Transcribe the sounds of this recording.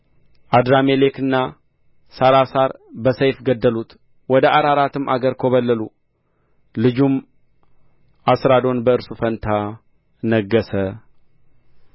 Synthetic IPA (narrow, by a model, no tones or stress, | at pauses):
ʔad̪ɾamelekɨnːa | saɾasaɾbəsəjfɡəd̪ːəlut̪ | wɔd̪əʔaɾaɾat̪ɨmʔaɡəɾkʰoβəlːəlu | lɨd͡ʒum | ʔasɾad̪o̞nbəɨɾsufənt̪ʰa | nəɡːəsə